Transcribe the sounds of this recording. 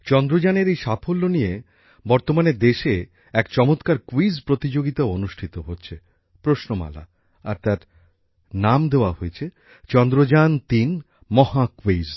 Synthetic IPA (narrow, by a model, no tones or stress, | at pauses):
t͡ɕɔnd̪ɾod͡ʑaneɾejʃapʰolːonije | bɔɾt̪omaned̪eʃe | ɛkt͡ɕɔmot̪kaɾkuizpɾot̪id͡ʑoɡit̪aoonuʃʈʰit̪oɦotːɕʰe | pɾoʃnoma̰la̰ | a̰ɾt̪aɾ | namd̪eoaɦoet͡ɕʰe | t͡ɕɔnd̪ɾod͡ʑant̪in | mɔhakwiz